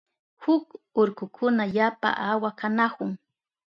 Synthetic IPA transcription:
hʊkʊɾkʊkʰʊnaʎapa̰ʔawakanahʊŋ

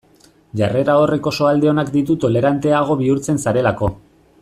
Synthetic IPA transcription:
ʝare̞ɾao̞re̞ko̞so̞ald̪e̞o̞nakd̪it̪ut̪o̞le̞ɾant̪e̞aɣ̞o̞βiuɾt͡se̞nsaɾe̞lako̞

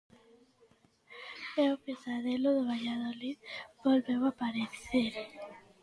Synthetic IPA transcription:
ewpesaðeloðoβaʎaðoliðbolβewapaɾeθeɾ

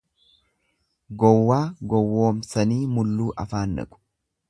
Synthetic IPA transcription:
ɡɔwːaːɡɔwːoːmsɐniːmʊlːuːʔɐfaːnːɐ̰kʼʊ̥

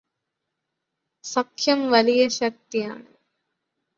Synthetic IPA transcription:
sɐkʰjɐmʋɐlijɐɕɐk̚t̪ija̰ːɳɨ

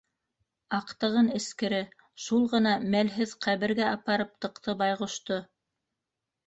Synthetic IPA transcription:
ɑqt̪ɤ̆ʁɤnɘ̆skɘ̆ɾɘ | ʃulˠʁɤ̆nɑmælɦɘðqʰæβɘ̆ɾɡæɑpɑɾɤp̚t̪ɤ̆qt̪ɤbɑjʁŏʃt̪o

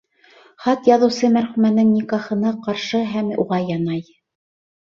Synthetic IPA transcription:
χɑt̪jɑðɤ̆wsɤmæɾχʉmænɘŋnikɑχɤ̆nɑqɑɾʃɤɦæmṵʁɑjɑnɑj

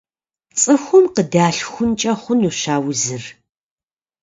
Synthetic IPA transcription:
t͡sʼɨxʷʊmqədaːɬxʷʊnt͡ʃʼɐχʷʊnuɕaːwzɨr

